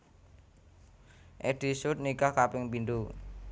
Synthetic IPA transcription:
ʔeɖ̥i̤sʊt̪̚nikahkapɪŋpinɖ̪u

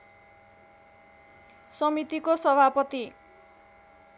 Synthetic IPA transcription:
sʌmit̪ikosʌbʱapʌt̪i

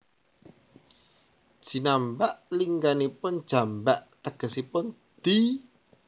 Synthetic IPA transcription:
d̥ʒ̥i̤nambaʔliŋɡanipʊn̥ʒ̥a̤mbaʔt̪əɡ̥ə̤sipʊn | d̪̥i

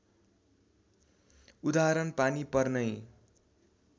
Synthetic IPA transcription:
ud̪aɾʌnpanipʌrnʌj

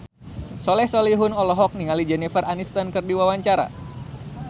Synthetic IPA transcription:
sɔlɛhsɔliɦʊnɔlɔɦɔk̚niŋalid͡ʒɛnifərʔanist̪ankɨrdiwawaɲt͡ʃaɾa̰

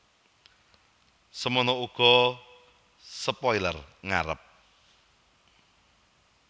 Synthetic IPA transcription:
səmənouɡ̥ɔ̤ | səpɔjlərŋaɾə̰p̚

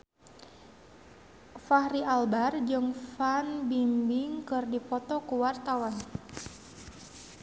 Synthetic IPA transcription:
fahɾialbard͡ʒɨŋfanbimbiŋkɨrdipɔt̪ɔkuwart̪awan

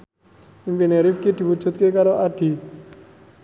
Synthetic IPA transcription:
impineɾifkid̪̥i̤wud̥d͡ʒ̥ṳt̪̚kekaɾoʔaɖ̪̥i̤

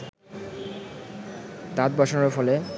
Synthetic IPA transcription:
t̪at̪̚bɔʃonɾofɔle

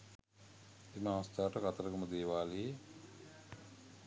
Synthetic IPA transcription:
eməaʋɐst̪aːʈəkat̪əɾəkəməd̪eːʋaːlie

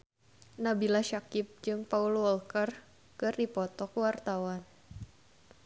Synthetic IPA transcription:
nabilaʃakɪp̚d͡ʒɨŋpaulwɔlkər | kɨrdipɔt̪ɔkwart̪awan

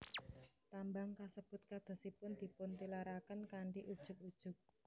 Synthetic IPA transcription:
t̪ambaŋkasəb̥ʊ̤t̪̚kad̪̥ɔ̤sipʊnd̪̥i̤pʊnt̪ilaɾakənkaɳɖiʔud̥ʒ̥ʊ̤k̚ud̥ʒ̥ʊ̤k̚

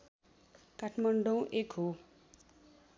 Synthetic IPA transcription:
kaʈʰmʌɳɖõw̃ʔekɦo

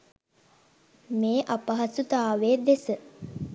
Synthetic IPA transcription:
meːʔɐpɐɦɐsut̪aːʋeːd̪esə

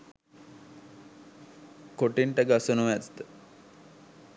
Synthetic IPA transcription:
koʈiɳʈəɡasənuʋæt̪d̪ə

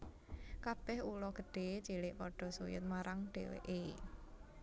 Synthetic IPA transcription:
kab̥ɛhulɔɡ̥ə̤ɖ̥e̤t͡ʃelɪʔpɔɖ̥ɔ̤sujʊ̰t̪̚maɾaŋɖ̥ewḛʔe

